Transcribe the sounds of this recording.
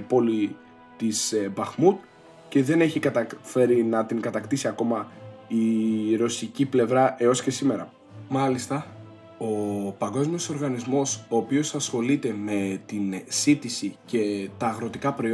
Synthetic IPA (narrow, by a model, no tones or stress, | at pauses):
po̞li | t̪isbɐxmut̪̚ | ce̞ðe̞ne̞çikɐt̪ɐfe̞ɾinɐt̪iŋɡɐt̪ɐkt̪isiɐko̞mɐiɾo̞siciple̞vɾɐʔe̞o̞si̥ce̞sime̞ɾɐ | mɐlist̪ɐ | o̞pɐŋɡo̞zmio̞so̞ɾɣɐnizmo̞so̞ːpio̞sɐsxo̞lit̪e̞me̞t̪insit̪isice̞t̪ɐːɣɾo̞t̪ikɐpɾo̞i